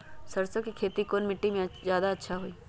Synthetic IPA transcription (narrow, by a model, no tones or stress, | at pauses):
sɐɾsəkːikʰeːt̪ikoːnmɪʈːimẽzjaːd̪aɐtːʃʰaɦuiː